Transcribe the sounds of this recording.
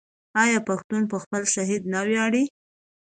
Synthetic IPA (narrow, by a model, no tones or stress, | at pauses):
ɑjɑpaxt̪unpəxpəlʃaɦid̪nawjɑɽi